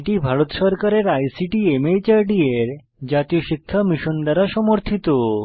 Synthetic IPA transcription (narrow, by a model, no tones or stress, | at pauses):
ʈibʱaɾot̪ʃɔɾkaɾeɾajsiʈiemet͡ɕaɾɖieɾ | d͡ʑat̪ijoʃikʰːamiʃond̪aɾaʃɔmoɾt̪ʰit̪o